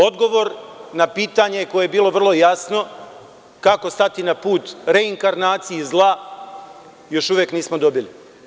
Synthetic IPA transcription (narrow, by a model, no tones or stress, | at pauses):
o̞d̪ɡo̞ʋo̞ɾnapiːt̪aɲekojejebiːlˠo̞ʋr̩lˠo̞jasno̞ | kako̞st̪at̪inapuːt̪ɾe̞iŋkaɾnaːt̪sijizlˠa | jo̞ʃuʋjekniːsmo̞d̪o̞bili